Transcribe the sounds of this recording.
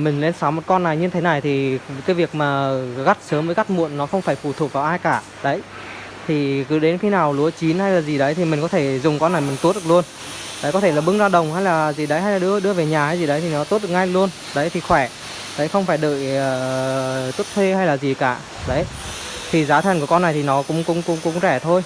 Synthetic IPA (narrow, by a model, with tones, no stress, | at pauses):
mï˨˩ŋ̟le˧nsaː˨˦mo˨˩t̚kɔ˧nːa˨˩jɲɨ˧nt̪ʰe˨˦na˨˩jt̪ʰi˨˩kaː˨˦jvi˨˩ək̚maː˨˩ɣa˦˥t̚səː˨˦mvəː˨˦jɣa˦˥t̚mṵ˧˨ənːɔ˨˦xə˧wŋ͡mfaː˧˩jfu˧˩t̪ʰu˨˩ək̚vaː˨˩wʔaː˧jkaː˧˩ | ɗə˨˦j | t̪ʰi˨˩kɨ˨˦ɗe˨˦nxi˨˦naː˨˩wlu˨˦ət͡ɕi˨˦nha˧jlaː˨˩zi˨˩ɗə˨˦jt̪ʰi˨˩mi̟˨˩kɔ˨˦t̪ʰe˧˩zʊ˨˩ŋ͡mkɔ˧nːa˨˩jmï˨˩ŋ˦˥t̚ɗklu˧ən | ɗə˨˦kɔ˨˦t̪ʰe˧˩laː˨˩ɓɨ˧ŋzaː˧ɗə˨˩wŋ͡mha˧jlaː˨˩zi˨˩ɗə˨˦jɦa˧jlaː˨˩ɗɨ˧əɗɨ˧əve˨˩ɲaː˨˩ha˧jzi˨˩ɗə˨˦jt̪ʰi˨˩nɔ˨˦t̪u˦˥t̚ɗ̚ŋa˧jlu˧ən | ɗə˨˦jt̪ʰi˨˩xwɛ˧˩ | ɗə˨˦jxə˧wŋ͡mfaː˧˩jɗə̰ː˧˨jəː˨˩t̪u˦˥t̚t̪ʰwe˧ha˧jlaː˨˩zi˨˩kaː˧˩ | ɗə˨˦j | t̪ʰi˨˩zaː˨˦t̪ʰɛ˨nku˧˩ə˩kɔ˧nːa˨˩jt̪ʰi˨˩nɔ˨˦kʊ̰˧˥ŋ͡mkʊ̰˧˥ŋ͡mkʊ̰˧˥ŋ͡mkʊ̰˧˥ŋ͡mzɛ˧˩t̪ʰo˧j